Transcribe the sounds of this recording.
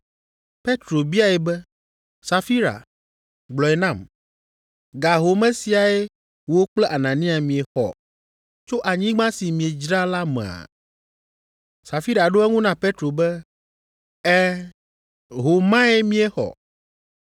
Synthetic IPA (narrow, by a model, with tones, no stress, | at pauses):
pe˦t̪ɾo˨bi˦a˦e˦˨bɛ˦ | sa˨fi˦ɾa̰˨ | ɡ͡blɔ˨e˨nã˦˨m | ɡa˨ɦo˨mɛ̃˦si˨a˨e˦ | wo˦k͡plɛ˦ʔa˨nã˨nĩ˦a˨mĩ˨e˨xɔ̰˨ | t͡ʃo˦ʔa˨ɲĩ˦ɡ͡bã˦si˨mĩ˨e˨d͡ʒɾa˦la˦mɛ̰̃˨a̰˨ | sa˨fi˦ɾa˨ɖo˦ɛ˦ŋũ˦nã˦pe˦t̪ɾo˨bɛ˦ | ɛ˦ | ɦo˨mã˦e˦mĩ˦e˦xɔ̰˨